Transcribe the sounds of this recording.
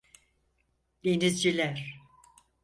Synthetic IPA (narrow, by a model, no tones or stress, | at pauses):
d̪̥enizd͡ʒilʲæɾ̥